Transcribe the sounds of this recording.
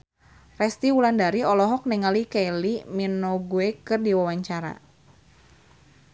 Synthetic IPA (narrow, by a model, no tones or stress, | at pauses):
rɛst̪iwulandaɾiɔlɔɦɔk̚nɛŋalikajliminɔɡuekɨrdiwawaɲt͡ʃaɾa̰